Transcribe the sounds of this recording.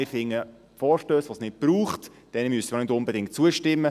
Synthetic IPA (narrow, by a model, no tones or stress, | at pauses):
ɪɾfɪŋːə | fɔːɾʃtøːsʋosnɪt̚b̥ɾuːχt | d̥ɛnmystəmnɪtʊmbədɪŋt̚t͡suəʃtɪmːə